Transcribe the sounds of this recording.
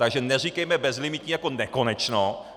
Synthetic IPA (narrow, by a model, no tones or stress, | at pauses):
t̪aɡʒɛnɛr̝ikɛjmɛbɛzlimit̪ɲiːjako̞nɛko̞nɛt͡ʃno